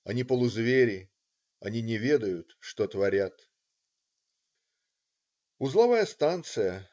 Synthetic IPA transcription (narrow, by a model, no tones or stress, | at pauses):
ɐnʲipəlˠʊzvʲeɾʲɪ | ɐnʲinʲɪvʲe̞d̪əjʊt̪ʂt̪ot̪vɐɾʲat̪ | ʊzlˠɐvajəst̪ant̪sɨjə